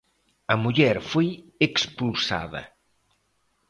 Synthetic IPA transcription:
ɐmuʎɛɾfojekspulsa̰ðɐ̰

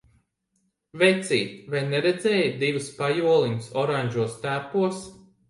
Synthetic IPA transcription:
vɛjt̪sʲḭːt̪vajnɛɾed̪zɛːjd̪ivɨspajuɔlˠiɲɨsɔɾaɲʲʒuɔst̪æːpuɔs

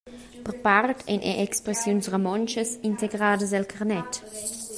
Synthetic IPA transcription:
pəʁpartʰɛ̰nʔɛ̰ʔekspɾesjunsʁemɔnt͡ʃəsinteɡɾaːdəs̬ɛlkʰaʁnɛt

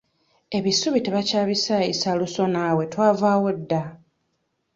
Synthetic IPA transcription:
e̞βisuβite̞βacaːβisaisaluso̞naːwe̞twaːvaːwodːa

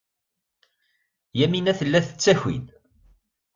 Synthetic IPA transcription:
jæminæθəlːæθə̥t͡sːæçḭn

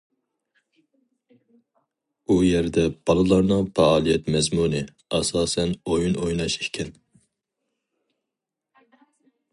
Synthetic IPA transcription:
ujɛɾd̪ɛb̥ɑlˠɨlˠɑɾnɨŋpɛɑːlˠijɛt̪mɛzmunɨ | ɑsɑːsɛnojunojnɑʃikʲʰɛn

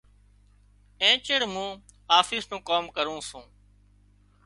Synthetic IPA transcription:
ẽːt͡ʃəɽmũː | aːfʰɪsnũːkoːmkəɾũːsũː

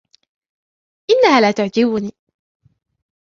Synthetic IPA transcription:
ʔɪnːahaːlaːt̪ʊʕd͡ʒɪbʊniː

